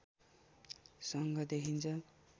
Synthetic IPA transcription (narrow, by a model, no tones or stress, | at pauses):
sʌŋɡʱʌd̪ekʰint͡sʰʌ